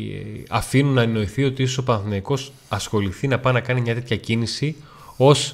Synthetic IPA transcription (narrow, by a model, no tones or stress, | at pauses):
ɐ̰finunːɐeno̞iθiot̪issopɐnθinɐiko̞s | ɐsxo̞liθinɐpɐnɐkɐnimɲɐt̪e̞t̪çɐcinisi | o̞s